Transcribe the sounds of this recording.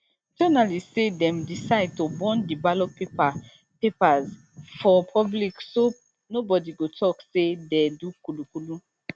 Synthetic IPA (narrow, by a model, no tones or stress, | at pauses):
d͡ʒɔnalissedɛ̃mdisaɪd̚tobɔ̃ndibalɔpepa | pepaz | fɔpʰɔblikso | nobɔdiɡotʰɔksedɛdukulukulu